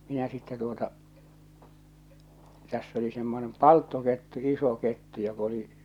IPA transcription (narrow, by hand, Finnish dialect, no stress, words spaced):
minæ sitːe tuotɑ tæsː oli semːonem pɑltːoketːu iso ketːu jok oli